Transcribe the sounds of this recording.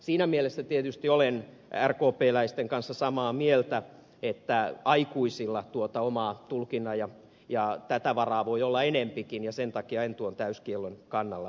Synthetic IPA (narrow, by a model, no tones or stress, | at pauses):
siːnæmielesːæt̪iet̪yst̪iolen | ærkoːpeːlæist̪eŋkɑnsːɑsɑmɑːmielt̪æ | et̪ːæɑikuisilːɑt̪uot̪ɑomɑːt̪ulkinˑɑjɑ | jɑt̪æt̪æʋɑrɑːʋoiolːɑenempikinjɑsent̪ɑkiɑint̪uont̪æyskielːonkɑnːɑlːɑ